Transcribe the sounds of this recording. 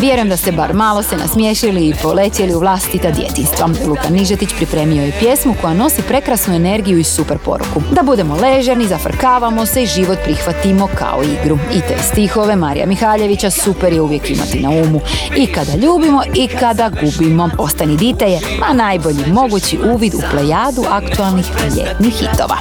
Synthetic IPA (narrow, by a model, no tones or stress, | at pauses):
ʋje̞ɾujemd̪ase̞ba̰ɾmaːlˠo̞se̞na̰smjeʃiliːpo̞le̞t̪jeliuʋlˠaːst̪it̪ad̪jḛt̪inst̪ʋalˠukaniʒet̪it͡ɕpɾipɾe̞ːmio̞jepje̞smuko̞jano̞sipɾe̞kɾasnue̞ne̞ɾɡijuisupeɾpo̞̰ɾṵkud̪abud̪e̞mo̞le̞ʒeɾnizafr̩kaːʋamo̞se̞iʒiʋo̞t̪̚pɾixʋat̪imo̞kʰa̰oiɡɾuit̪o̞̰jst̪ixo̞ʋe̞maɾḭja̰mixaːʎe̞ʋit͡ɕasupe̞ɾjeuʋje̞kima̰t̪inauːmuikad̪aʎuːbimo̞ʔikad̪aɡubimo̞po̞st̪anid̪it̪eʎe | anajbo̞ʎimo̞ɡut͡ɕiʔuːʋid̪ṵplejaːd̪uʔakt̪ualˠnixʎḛt̪nixːḭt̪o̰ʋa̰